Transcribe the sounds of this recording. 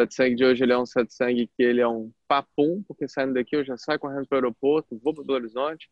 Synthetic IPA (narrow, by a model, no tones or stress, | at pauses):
sɛt̪sɐ̃ŋɡɪd͡ʒɪoʒɪelɪɛũsɛt̪sɐ̃ŋɡɪkɪelɪɛũpapũpʊɾkesaĩd̪ʊd̪ɐkiewʒasajkoɦẽnd̪ʊpɾɐɛeɾopoɾt̪ʊvopɾɐpelˠoɾizõt͡ʃɪ̥